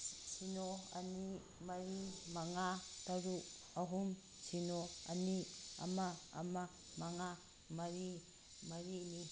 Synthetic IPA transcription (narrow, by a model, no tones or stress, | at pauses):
t͡ʃinoani | maɾimaŋat̪aɾu | aɦum | t͡ʃinoa̰nia̰ma̰ːma | maŋa | maɾi | maɾini